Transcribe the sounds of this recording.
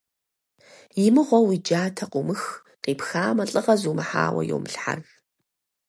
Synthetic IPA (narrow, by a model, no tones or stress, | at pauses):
jɪmɨʁʷɔwid͡ʒaːtʰɐqʷʊmɨx | qiːpxaːmɐɬʼɨʁɐzuːmɨħa̰ːwɐ̰jo̰wmɨɬħa̰r